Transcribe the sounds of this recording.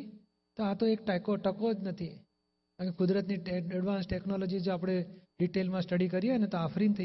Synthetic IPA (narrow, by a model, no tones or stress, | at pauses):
t̪oat̪oek̚ʈajkoʈəkod͡ʒnət̪ʰi | ãkekʊd̪ɾət̪niəɖʋãnsʈeknɔlod͡ʒid͡ʒoapɽ̃eɖiʈelmãsʈəɽikəɾieənet̪oafɾint̪ʰə